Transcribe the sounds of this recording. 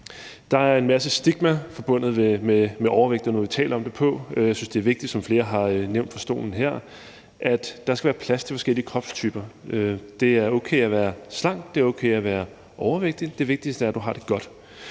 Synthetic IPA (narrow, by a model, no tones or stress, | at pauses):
d̥ɑ̈æɐe̝nmæs̬əsd̥iɡ̥mæfɒ̽b̥ɔ̽n̰ð̞̩ˠʋememeʔɒʊɐʋeɡ̥d̥ð̩ˠnɔɐʋi̥t͡sʰɛ̰ːlɐɒ̽md̥e̝pʰɔ̽jaɪsynsd̥e̝æɐʋe̝ɡ̥̚d̥id̥sɒ̽mfle̝ːɐɦɑ̈øneʊ̰nd̥fɒ̽sd̥o̝̰ːln̩ɦeɐ̰ | ʔæd̥ːɑ̈sɡ̥æʋæːɐpʰlæst͡sʰe̝lfɒ̽sɡ̥el̰iəkʰʁɒ̽b̥st͡sʰyːb̥ɐød̥e̝æɐoʊkʰḛːæʋæːɐslɑ̈ŋ̰d̥d̥e̝o̽ʊkʰeɪæʋæːɐ | ʔɒʊɐʋeɡ̥̚d̥id̥e̝ʋe̝ɡ̥̚d̥isd̥əæɐd̥uɦɑ̈d̥e̝ɡ̥ɒ̽d̥